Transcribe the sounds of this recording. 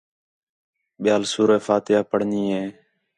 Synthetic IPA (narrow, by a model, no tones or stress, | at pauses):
ɓɪjaːlsuːɾeːfaːt̪ɪjaːpəɽ̤niːɦeː